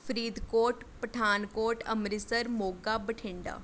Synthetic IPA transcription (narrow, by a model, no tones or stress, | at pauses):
pʰɾiːd̪koːʈpəʈʰaːnkoːɾʈəmɾɪsəɾmoːɡaːbəʈʰɪɳɖa̰ː